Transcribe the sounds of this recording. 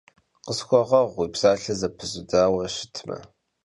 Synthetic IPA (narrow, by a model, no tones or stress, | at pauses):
qəsxʷɔʁɐʁʷiːbz̥aːɬɐzɐpʰɨzʊdaːwɐɕɪ̥tʰmɐ̰